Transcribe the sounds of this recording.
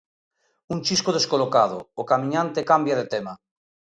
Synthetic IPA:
unt͡ʃiskoð̞eskolokað̞o̰ːkamĩɲãnt̪ekambjað̞et̪ema

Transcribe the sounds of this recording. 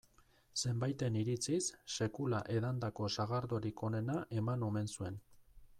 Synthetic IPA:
se̞mbajt̪e̞niɾit͡sisːe̞kulaʔe̞ðand̪ako̞saɣaɾd̪o̞ɾiko̞ne̞naʔe̞mano̞me̞nsue̞n

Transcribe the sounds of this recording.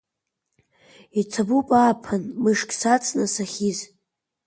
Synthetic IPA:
it͡sʰabupʼaːpʰɨnmɨʂkʼsat͡sʰʼnasaχʲiz

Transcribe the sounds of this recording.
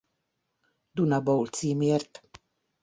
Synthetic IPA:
d̪unabowlt͡simeɾt̪

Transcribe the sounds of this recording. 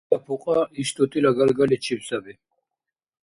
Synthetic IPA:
apʰuqʼaiʃt̪ʼut̪ʼilaɡalɡalit͡ʃʰipsabi

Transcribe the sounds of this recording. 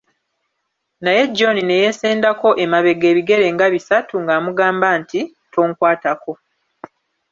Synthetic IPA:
naje̞ɟːo̞nine̞jeseːndako̞ʔemaβe̞ɡe̞ːβiɡe̞ɾe̞ŋɡaβisatuŋɡaːmuɡaːmbanti | tʰo̞ːŋkwaːtako̞

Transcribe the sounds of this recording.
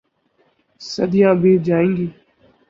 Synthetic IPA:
sə̰d̪ʱɪjãːbiːd͡ʒaːĩːŋɡiː

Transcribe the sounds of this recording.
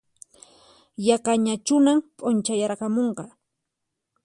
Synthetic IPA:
jakaɲat͡ʃʊnampʼʊnt͡ʃajaɾɢɑmoɴɢɑ

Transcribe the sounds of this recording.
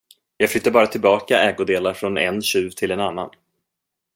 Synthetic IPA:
jɑːɡflʏt̪ːaɾbɑːɾat̪ʰɪlbɑːkaɛːɡʊd̪eːlaɾfɾɔnɛ̰nɕʉ̟ːvt̪ʰɪlɛnanːa̰n

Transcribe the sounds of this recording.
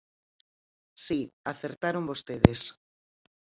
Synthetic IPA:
siaθeɾt̪aɾombost̪eðes

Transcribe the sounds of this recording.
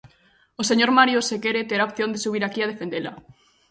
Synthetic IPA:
oseɲoɾmaɾjosekeɾet̪eɾaopθjond̪esuβ̞iɾakiað̞efend̪ela

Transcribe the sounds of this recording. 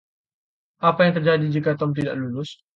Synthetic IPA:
ʔapajaŋt̪ərd͡ʒadid͡ʒikat̪ɔmt̪ida̰ʔlulʊs

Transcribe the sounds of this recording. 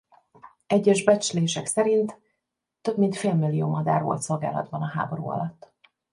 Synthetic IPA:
ɛɟːɛʒbɛt͡ʃleːʃɛksɛɾint̪ː | ø̞bmint̪feːlmilːijoːmɒd̪a̰ːɾo̰lt̪so̞lɡa̰ːlɒ̰d̪bɒnɒɦa̰ːbo̞ɾṵːɒ̰lɒt̪ː

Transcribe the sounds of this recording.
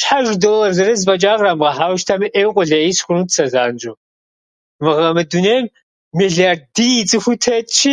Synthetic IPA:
ʃħaʒdoːlɐrzɐɾɐzpʼɐt͡ʃʼaːʁramʁɐħaːwʃtʰɐmʔeːwqʷʼʊɮɐisxʷʊnutsɐzaːnd͡ʒu | mɨʁɐmɨduneːm | miɮardiit͡sʼɨxʷʊtʰɐt͡ʃʰi

